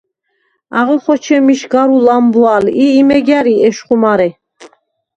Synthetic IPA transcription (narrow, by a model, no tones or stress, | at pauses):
aʁɔχɔt͡ʃʰɛmiʃɡaɾulambualiːmɛɡjaɾiɛʃχumaɾɛ